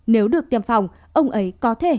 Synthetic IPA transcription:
ne˨˦wɗɨ˨˩ək̚t̪i˨˩əmfa˨˩wŋ͡m | ʔə˧wŋ͡mʔə˨˦jkɔ˨˦t̪ʰe˧˩

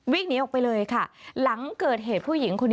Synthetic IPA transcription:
wiː˥˩ŋ̚ni˦˥ʔɔ˨˩kpa˧jlɤː˧jkʰa˥˩la˩˦ŋkɤː˨˩t̪̚ɦeː˨˩t̪̚pʰuː˥˩ji˩˦ŋkʰo˧nː

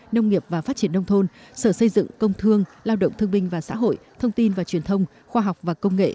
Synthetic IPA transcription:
nə˧wŋ͡mŋi˨˩əp̚vaː˨˩faː˦˥t̚t͡ɕi˧˩ənːə˧wŋ͡mt̪ʰo˧nsəː˧˩sə˧jzɨ̰˧˨ŋkə˧wŋ͡mt̪ʰɨ˧əŋlaː˧wɗə̰˧˨wŋ͡mt̪ɨ˧əŋɓï˧ŋ̟vaː˨˩sa̰ː˧˥ɦo̰˧˨jt̪ʰə˧wŋ͡mt̪i˧nvaː˨˩t͡ɕwi˨˩ənt̪ʰə˧wŋ͡m | xwaː˧ɦa˨˩wk͡p̚vaː˨˩kə˧wŋ͡mŋḛ˧˨

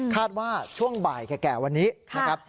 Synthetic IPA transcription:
kʰaː˥˩t̪̚waː˥˩t͡ɕʰu˥˩əŋba̰ː˨˩jkɛː˨˩kɛː˨˩wa˧nːiː˦˥na˦˥kʰa˦˥p̚

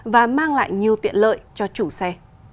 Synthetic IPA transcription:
vaː˨˩maː˧ŋla̰ː˧˨jɲi˨˩əwt̪ḭ˧˨ənlə̰ː˧˨jt͡ɕɔ˧t͡ɕu˧˩sɛ˧

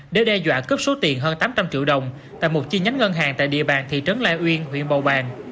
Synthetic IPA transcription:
ɗe˧˩ɗɛ˧zwa̰ː˧˨kəː˦˥p̚so˨˦t̪i˨˩ənɦəː˧nt̪aː˨˦mt͡ɕa˧mt͡ɕḭ˧əwɗə˨˩wŋ͡m | t̪a̰ː˧˨jmo˨˩t̚t͡ɕi˧ɲa˨˦jŋ̟ŋə˧nɦaː˨˩ŋt̪a̰ː˧˨jɗḭ˧˨əɓaː˨˩nt̪ʰḭ˧˨t͡ɕə˨˦nlaː˧˩jʔwi˧ənɦw̰ḭ˧˨ənɓə˨˩wɓaː˨˩n

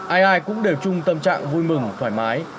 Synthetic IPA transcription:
ʔaː˧jʔaː˧jkʊ̰˧˥ŋ͡mɗe˨˩wt͡ɕʊ˧ŋ͡mt̪ə˧mt͡ɕa̰ː˧˨ŋvu˧jmɨ˨˩ŋt̪ʰwaː˧˩jmaː˨˦j

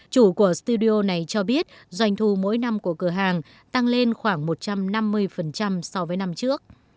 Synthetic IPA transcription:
t͡ɕu˧˩ku˧˩əst̪u˧ɗi˧ʔo˧na˨˩jt͡ɕɔ˧ɓi˦˥ət̚zwa˧˩jŋ̟t̪ʰu˧˩mo̰˧˥jna˧mku˧˩əkɨ˧˩əɦaː˨˩ŋ | t̪a˧ŋle˧nxwaː˧˩ŋmo˨˩t̚t͡ɕa˧mna˧mːɨ˧əjfə˨˩nt͡ɕa˧msa˧wvəː˨˦jna˧mt͡ɕɨ˦˥ək̚

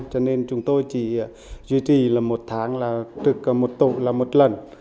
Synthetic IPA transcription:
t͡ɕɔ˧ne˧nt͡ɕʊ˨˦ŋ͡mt̪o˧jt͡ɕḭ˧˩˨ | zwi˧t͡ɕi˨˩laː˨˩mo˨˩t̚t̪ʰaː˨˦ŋlaː˨˩t̪ɨ˨˩k̚mo˨˩t̚t̪ṵ˧˨laː˨˩mo˨˩t̚lə˨˩n

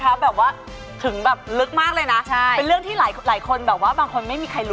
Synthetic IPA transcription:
kʰa˦˥p̚bɛː˨˩p̚waː˥˩ | t̪ʰɯ˩˦ŋbɛː˨˩p̚lɯ˦˥k̚maː˥˩k̚lɤː˧jna˦˥t͡ɕʰpe˧nɾɯ˥˩əŋt̪ʰiː˥˩laː˩˦jlaː˩˦jkʰo˧nbɛː˨˩p̚waː˥˩baː˧ŋkʰo˧nma˥˩jmiː˧kʰa˧jlu˦

